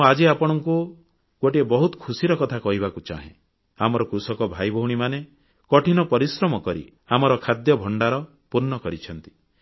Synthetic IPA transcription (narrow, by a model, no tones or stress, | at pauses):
ad͡ʒeapɔɽ̃ɔŋku | ɡoʈiebɔɦut̪ɔ̥kʰusiɾɔkɔt̪ʰakɔɦibakut͡ʃa̰ɦḛ̃ | amɔɾɔkɾusɔkɔbʱajbʱɔɦuɽ̃imane | kɔʈʰinɔpɔɾisɾɔmɔkɔɾḭ | amɔɾɔkʰad̪jɔbʱɔɳɖaɾɔ | puɾnɔkɔɾit͡ʃʰɔnt̪i̥